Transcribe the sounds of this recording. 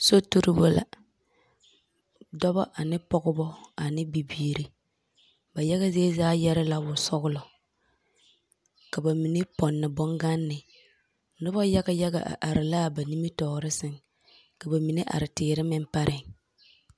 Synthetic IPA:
so˦tu˦ɾɪ˦bo˦la̰˨ | dɔ˦ba̰˦ʔa˨nɪ˦pɔ˦ɣʊ˦bɔ˦a˨nɪ˦bi˨biː˦ɾi˨ | ba˨ja˦ɣa˦ze˦zaː˦jɛ˦ɾɪ˦la˦bʊ˨sɔ˦ɣʊ˦lɔ˨ | ka˨ba˨mi˨nɪ˦pɔ˨nːɪ˨bɔ˦ŋɡa˦nːɪ˨ | nʊ˦ba˦ja˦ɡa˦jɛ˦ɡa̰˨ʔa̰˨ʔa˨ɾɪ˨laː˦˨ba˨ni˦mi˦tɔː˨ɾɪ˦sɪ˦ŋ | ka˨ba˨mi˨nɪ˦ʔa̰˨ɾɪ˨tɪː˨ɾɪ˦mɪ˦mpa˦ɾʔɪ˨ŋ

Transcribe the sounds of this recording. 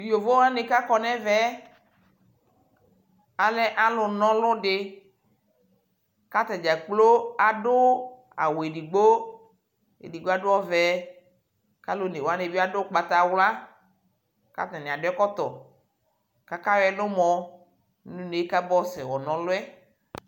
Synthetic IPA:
o˨vo˦wa˦nɪ˨ka˦kɔ˨nɛ̃˦vɛ˦ | a˨lɛ˦ʔa˦lʊ˨nɔ̃˦lʊ˦ɖɪ˨ | ka˦t̪a˨d͡ʒa˨k͡plo˦a˨dʊ˦ | a̰˨wo˨e˨di˨ɡ͡bo˦ | ḛ˨di˨ɡ͡bo˦a˦dʊ˦ɔ˦vɛ˨ | ka˦lo˦ne˨wa˦ne˨bi˦a˦dʊ˦˨k͡pa˨t̪a˨wla˦ | ka̰˦t̪ã˨nɪ̃˨a˨dʊ˦ɛ˦kɔ˦t̪ɔ˨ | ka˦ka˦wɛ˦nʊ˦mɔ̃˨˦ | nũ˦ne˨e˦ka˦bɔ˦sɛ˨wɔ˨nɔ̃˨lʊ˦ɛ˦

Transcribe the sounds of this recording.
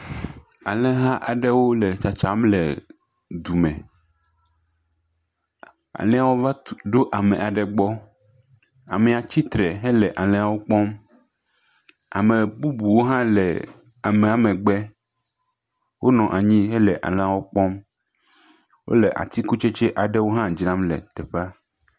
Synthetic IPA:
a̰˨lɛ˦ɦã˦ʔa˨ɖɛ˦wo˦lɛ˨t͡ʃa˨t͡ʃa˨˦mlɛ̰˨ | d̪u˨mɛ̰̃˨ | a̰˨lɛ̃˦a˨wo˦va˦ɖo˦ʔa˨mẽ˨ʔa˨ɖɛ˨ɡ͡bɔ˦ | a̰˨mɛ˨a˨t͡ɕi˦t̪ɾɛ˨ɦe˦lɛ˨ʔa˨lɛ̃˦a˨wo˦k͡pɔ˦m | a̰˨mẽ˨bu˦bu˨wo˦ɦã˦lɛ̰˨ | a˨mẽ˨a˨mẽ˨ɡ͡bɛ˦ | wo˦nɔ̃˨ʔa˨ɲĩ˦ɦe˦lɛ˨ʔa̰˨lɛ̃˦a˨wo˦k͡pɔ˦m | wo̰˦le˨ʔa̰˨t̪ʰi˦ku˦t͡ʃe˦t͡ʃe˦ʔa˨ɖɛ˦wo˦ɦã˦d͡ʒnã˦mlɛ̰˨t̪ɛ˨ɸa˦

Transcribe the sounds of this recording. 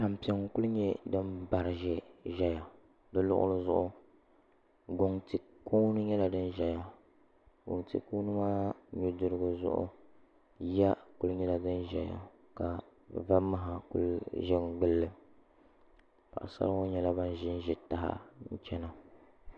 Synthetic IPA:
a˨m˨pi˨ɛ˦ŋ˨ku˦lɲɛ˦dɨ˦mba˨ɾɨ˨ʒɛ˦ʒɛ˦ja˨ | dɨ˦lʊ̰˦ʔʊ̰˦lɨ˦zʊ˦˨ʔʊ˦ | ɡo˨ŋti˨ | kʰuː˦nɨ˦ɲɛ˦la˨dɨ˦nʒɛ˨ja˨ | ɡo̰˨ŋtḭ˨ku˦nɨ˦maː˦ɲu˦dɨ˦ɾɨ˦ɡɨ˦zʊ̰˦ʔʊ̰˦ | ja˦ku˦lɨ˦ɲɛ˦la˨dɨ˦nʒɛ˨ja̰˨ | ka˨va˦ma˦ɦa˨kṵ˦lʒɛ˦ŋɡ͡bɨ˦lːɨ˦ | pa̰˨ʔa̰˨sa̰˦lwo˦ɲɛ˦la˦ba˦n˦ʒɪ˦n˦ʒɪ˨ta˨ɦa̰˦n̩˦t͡ʃɛ˦na˨

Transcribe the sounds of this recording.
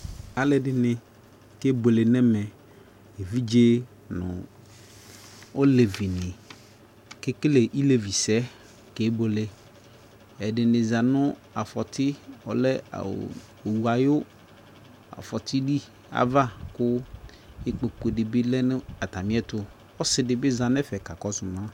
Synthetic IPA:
a˨lɛ˨dɪ˨nɪ̃˨ | ke˦bo˨le˨nɛ˦mɛ˨ | e˨vi˦d͡ʒe˦ | nʊ̰̃˨ | o˦le˨vɪ˨nɪ̃˨ | kɪ˦kɪ˦le˨ʔi˦le˨vi˨sɛ˦ | ke˨˦bo˨le˨ | ɛ˨dɪ˨nɪ̃˨za˨nʊ̃˦ | a˨fɔ˨tʰɪ˦ɔ̰˨lɛ̰˦˨ | o˨wu˨a˨jʊ˦ | a̰˨fɔ˨t̪ʰɪ˦ɖi˦ | a̰˨va˦kʊ˦ | ɪ˦k͡po˨k͡po˨dɪ˨bɪ˦lɛ˦nɪ˦a˨ta˨mɪ̃˦ɛ˦tʊ˦ | ɔ˦sɪ˨dɪ˨bɪ˦zã˨nɛ˦fɛ˨ka˨kɔ˦sʊ˨mã˦

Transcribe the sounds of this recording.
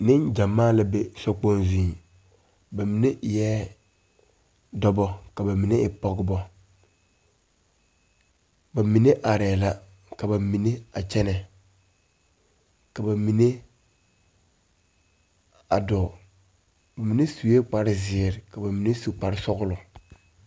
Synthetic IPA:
nɪ˦nd͡ʒa˨mːaː˦la˨˦be˦sɔ˦k͡po˦nzĩ˨ | ba˨mi˨ne˦ʔjɛː˦ | dɔ˦bɔ˦ka˨ba˨mi˨ne˦ɪ˨pɔ˦ɡɪ˦bɔ˦ | ba˨mi˨ne˦ʔa˨ɾɛː˨la˦ | ka˨ba˨mi˨ne˦a˨t͡ʃɛ˦nɛ˨ | ka˨ba˨mi˨ne˦ | a̰˨dɔ˨ | ba˨mi˨ne˦su˨e˦k͡pa˨ɾɪ˦zɪ˨ɾɪ˨ka˨ba˨mi˨ne˦su˨k͡pa˨ɾɪ˦sɔ˦ɣʊ˦lʊ˨

